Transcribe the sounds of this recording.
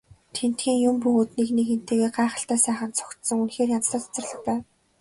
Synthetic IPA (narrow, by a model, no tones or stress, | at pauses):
t̪ʰen̥t̪ɡiːŋjʊmpɵɣoːt̪nekneken̥t̪eːɣeːɢaːχə̆ɬt̪æːsæːχə̆nt̪t͡sʰɔ̥kt̪sɞ̆ŋunxeːrjant͡sɮə̆t̪ḁt͡sə̆rɮə̆χpæːw